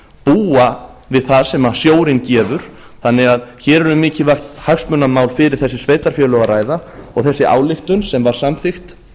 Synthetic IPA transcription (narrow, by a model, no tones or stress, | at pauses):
puːa | vɪðθaðsɛmasjoːwɾɪncɛːvʏɾ̥ | θanːɪɣaðçɛːɾɛɾʏmɪːcɪvar̥t̪haksmœnːamaːwlfɪɾɪɾ̥θɛsːɪ̥sveːjt̪aɾ̥fjœːlœɣaraːjðaɔɣθɛsːɪa̰ːwlɪxt̪ʏnsɛmvaɾ̥samθɪxt̪